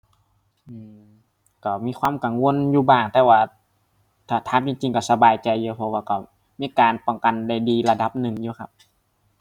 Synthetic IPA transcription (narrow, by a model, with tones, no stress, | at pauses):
ʔɯː˧˩ | kɔ˧˩miː˧˥˨kʰwaː˧˥˨mka˨˩ŋwo˧˨njuː˧baː˧˩ŋt̪ɛː˧waː˧˩ | t̪ʰaː˧˩t̪ʰaː˧˥˨mt͡ɕi˧˩ŋt͡ɕi˨ŋkɔ˧˩sa˧baː˨˩jt͡ɕa˨jːuː˧pʰɔ˧waː˧˩kɔ˧˩ | miː˧˥˨kaː˨npɔ˨˧˩ŋka˨nda˧˩jdiː˨˧la˧da˧˦p̚nɯ˨˩ŋjuː˧kʰa˧p̚